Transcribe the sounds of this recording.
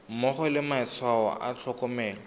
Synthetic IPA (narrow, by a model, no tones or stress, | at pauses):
mɔχɔlɪmaɪt͡sʰwaɔ̰ʔa̰t͡ɬʰɔkɔmɛːlɔ